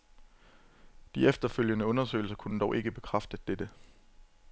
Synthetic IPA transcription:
d̥iefd̥ɐføl̰jənəɔ̽nɐsø̰ːɪl̩sɐkʰunəd̥ɒʊʔe̝ɡ̥əb̥e̝kʰʁafd̥əd̥ed̥ə

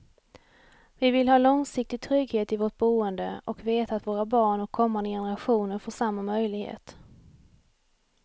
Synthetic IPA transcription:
vɪvɪlhɑːlɔŋsɪk̚t̪ɪɡ̚t̪ʰɾʏɡheːt̪ɪvoːʈ̚buːənd̪ə̰ʔɔkveːt̪aːt̪voːɾabɑːɳɔkʰːɔmːand̪əjɛnəɾaɧuːnəɾfoːʂamːamœjlɪɡhḛːt̪

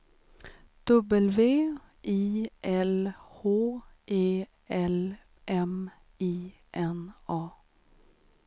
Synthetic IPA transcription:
d̪̥ɵbəlʋeː | ʔiːʔɛlhoːʔeː | ɛl | ʔɛm | iː | ʔɛnɑː

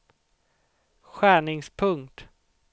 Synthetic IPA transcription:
ɧæːɳɪŋspʰɵŋkt̪

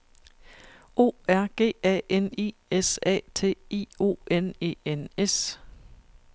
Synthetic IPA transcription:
o̝̰ːæɐ̰ɡ̥e̝̰ːɛ̰ːenḭːesɛ̰ːt͡sʰe̝̰ːḭːo̝̰ːene̝̰ːenes

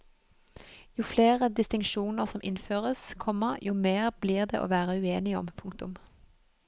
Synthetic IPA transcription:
juːfleːʁəd̪ɪst̪ɪŋʃuːnəʁsɔmʔɪnføːʁəskʰɔməʁjʔuːmeːʁbliːʁd̪ḛːʔo̰ːʋæːʁəʉeːnɪɔ̰mpʰʊŋkt̪ʊm

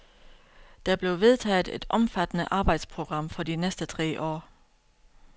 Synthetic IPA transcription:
d̥æb̥le̝ʊʋe̝ðˠt͡sʰɛ̰ːð̥ˠe̝d̥ɒ̽mfæd̥ənəʔɑ̈ːb̥ɑ̈ɪ̰d̥spʰʁo̝ɡ̥ʁɑ̈m̰fɒ̽dinesd̥ət͡sʰʁɛ̰ːʔɒ̰ː

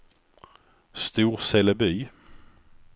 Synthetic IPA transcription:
st̪uːɾsɛləbyː

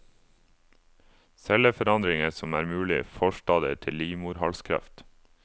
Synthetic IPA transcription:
sɛləfɔɾɑnd̪ɾɪŋəsɔmæːɾmʉːlɪ̰fɔʃʈɑːd̪ət̪ʰɪliːmʊːɾhɑlskʰɾɑ̰ft̪

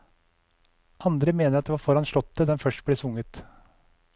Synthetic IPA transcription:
ʔɑnd̪ɾəmeːnəɾɑt̪̚d̪eːʋɑːɾfɔɾɑnʂɭɔt̪ːəd̪ɛnfœʂʈbleːsʊŋət̪

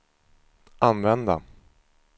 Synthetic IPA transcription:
anvɛnd̪a̰

